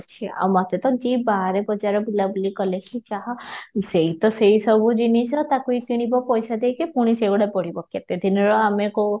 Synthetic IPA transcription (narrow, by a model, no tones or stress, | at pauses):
t͡ʃʰia̰wmat̪et̪ɔd͡ʒibaɦɾebɔd͡ʒaɾɔbilabulikɔlekʰit͡ʃaɦɔseɦit̪ɔsejsɔbʱud͡ʒinisɔt̪akuit̪iɽ̃ibɔpɔjsad̪ejkekuɽ̃iseɡuɽapɔɽ̤ibɔkjat̪ed̪ʱinɔɾɔameko